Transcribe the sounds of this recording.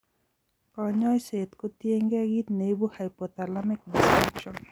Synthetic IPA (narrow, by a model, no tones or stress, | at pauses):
kɔɲɔjset̪kot̪ieŋɡaɡit̪nejbuhajpɔt̪alamek̚disakʃɔn